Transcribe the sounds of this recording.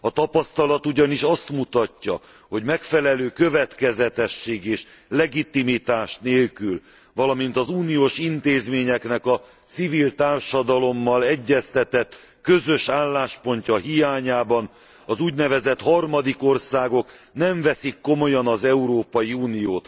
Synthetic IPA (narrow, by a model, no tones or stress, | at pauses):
ɒt̪ɒpɒst̪ɒlɒt̪uɟɒniʃɒst̪mut̪ɒcːɒ̰ | ho̞ɟmɛkfɛlɛløːkø̞vɛt̪kɛzɛt̪ɛʃːeːɡeːʃ | lɛɡit̪imit̪aːʃneːlkyl | vɒlɒmint̪ɒzuːnijoːʃint̪eːzmeːɲɛknɛkɒ | t̪sivilt̪aːrʃɒd̪ɒlo̞mːɒlɛɟːɛst̪ɛt̪ɛt̪ː | køzø̞ʃaːlːaːʃpo̞ɲcɒɦijaːɲaːbɒn | ɒzuːɟnɛvɛzɛt̪hɒrmɒd̪iko̞rsaːɡo̞knɛɱvɛsikːo̞mo̞jɒnɒzɛuɾoːpɒjiuːnijoːt̪